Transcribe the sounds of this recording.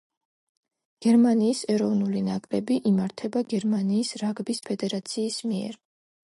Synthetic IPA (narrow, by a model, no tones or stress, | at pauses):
ɡ̥ɛɾmaniːsɛɾɔvnulinakʼɾɛbiʔimaɾt̪ʰɛbaɡɛɾmaniːsɾaɡbispʰɛd̪ɛɾat̪sʰiːsmiɛ̰ɾ